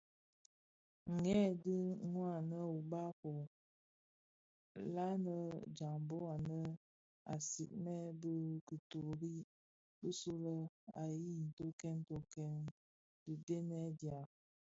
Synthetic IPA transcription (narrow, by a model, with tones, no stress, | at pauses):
ŋ̩˨ŋɛ˦di˦ŋwa˦˨nə˦u˨ba˦ko˨ | la˦nə˦d͡ʒa˨ŋbo˦a˨nə˦ | a̰˨sḭ˨ʔ̚mɛ˦bə˦kə˨tu˨ɾi˦ | bə˦su˦lə˦a˨ji˦n̩˨to˦kɛ˦n˦to˦kɛ˦n | də˨de˦nɛ˦dja˨